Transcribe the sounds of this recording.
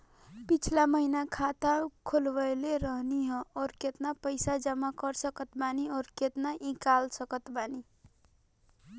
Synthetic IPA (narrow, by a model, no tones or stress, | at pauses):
pit͡ʃʰlaməɦinakʰat̪akʰolbəjleɾəɦniɦə̃ɔːɾket̪napəɪsad͡ʒəmakəɾsəkət̪baniɔːɾket̪naʔĩkalsəkət̪bani